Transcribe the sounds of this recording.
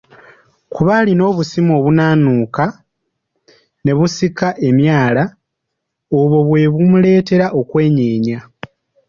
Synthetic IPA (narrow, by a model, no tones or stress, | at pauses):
kuβalino̞ːβusimo̞ːβunaːnuːka | ne̞βusikaʔe̞mjaːla | oβo̞βwe̞βumule̞ːte̞ɾaʔo̞kwe̞ːɲeːɲa